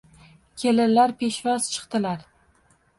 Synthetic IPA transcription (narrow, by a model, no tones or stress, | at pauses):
kʲʰelɪlaɾpʰeʃvɒz̥t͡ʃʰɨ̥qt̪ɪlaɾ